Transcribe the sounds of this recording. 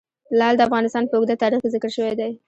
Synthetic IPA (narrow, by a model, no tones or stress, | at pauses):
lɑld̪əafɣɑnɪst̪ɑnpəʊɡ̚d̪at̪ɑɾixkezɪkəɽʃəwajd̪aj